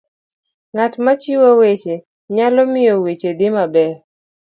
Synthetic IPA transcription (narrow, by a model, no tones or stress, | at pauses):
ŋatmat͡ʃɪwowet͡ʃe | ɲalɔmɪjɔwet͡ʃed̪ɪmabɛɾ